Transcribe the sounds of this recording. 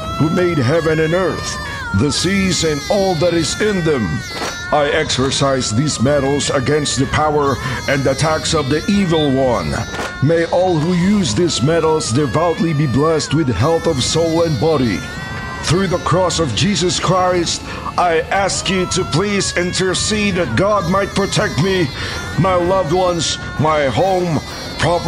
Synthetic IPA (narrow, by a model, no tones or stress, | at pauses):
humeɪd̚ɦɛvɨ̃nɨ̃nɜ˞θ | ðɨsizɨ̃nɔlˠðɨɾɨzɪ̃nðɨ̃m | aɪɛksə˞saɪzðizmɛɾl̩ˠzɨɡɛ̃nst̪̚ðɨpʰaʊə˞ɨ̃nɨtʰæksʌvðiʔivl̩ˠwʌ̃n | meɪʔɔlˠhujʉzðizmɛɾl̩ˠzdɨvaʊtˡlibiblɛst̚wɨð̥ɦɛlˠθʌv̥soʊlˠə̃nbɑɾḭ | θɹʉðəkʰɹ̥ɔsʌvd͡ʒizɨskʰɹ̥aɪst | ʔaɪʔæskjɨɾɨpʰl̥izɪ̃ntʰə˞siðɨt̚ɡ̥ɑd̚maɪt̚pʰɹ̥ɨtʰɛk̚t̚mi | maɪlʌvd̚wʌ̃nz̥ | maɪɦõʊ̃m | pʰɹ̥ɑ